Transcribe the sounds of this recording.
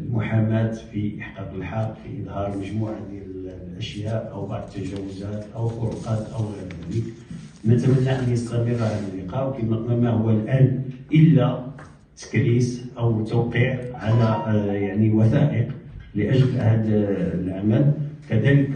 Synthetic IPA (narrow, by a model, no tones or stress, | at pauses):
lmʊħamæt̪fiʔəħqɑq̪əlħɑɾˤfiʔəd̪ˤhɑɾˤlməʒmuʕad̪jæləlʔəʃjæʔʔəwbɑ̰ʕd̪ˤət̪ːæʒæwːʊzæt̪ʔəwfʊɾqɑt̪ʔəwɣiɾdælik | mæt̪əmənːæʔænjəst̪æmərːhæd̪əlːəqɑʔwkimæmæhʊwːælʔænʔəlːæ | t̪ə̥klisʔəwt̪uwqiʕʕalæjaʕniwæθæʔəqləʔəʒəlhæd̪lʕamælkæd̪ælək